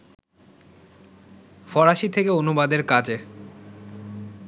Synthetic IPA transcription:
fɔɾaʃit̪ʰekeonubad̪eɾkad͡ʑe

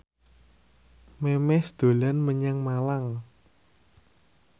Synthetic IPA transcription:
memɛsd̪̥o̤lanməɲaŋmalaŋ

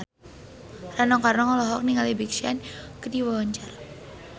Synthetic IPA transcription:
ranɔkarnɔŋɔlɔɦɔk̚niŋalibikʃia̰nkədiwawaɲt͡ʃar

